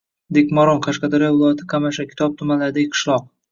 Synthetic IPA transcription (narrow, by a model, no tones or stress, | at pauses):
d̪ekʲmaɾonqʰaʃqɑd̪aɾjɒvɪlˠɒjat̪ʰɪkʰamaʃakʲʰɪ̥t̪ʰɒp̚t̪ʰʊmanlaɾd̪aɡʲqʰɨ̥ʃlˠɒq̚